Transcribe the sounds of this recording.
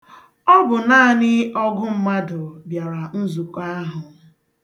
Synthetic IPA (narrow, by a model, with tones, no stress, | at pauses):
ɔ˦bʊ˨na˦a˦˨nɪ˦ɔ˦ɡʊ˦m̩˦ma˦dʊ˨bja˨ɾa˨n̩˦zu˨kʷa˦ɦʊ˨